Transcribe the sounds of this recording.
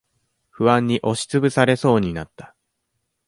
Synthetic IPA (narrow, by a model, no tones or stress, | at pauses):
ɸɯ̟βãɲ̟ːiʔo̞ɕi̥t͡sɨbɯ̟saɾe̞so̞ːɲ̟inat̪ːḁ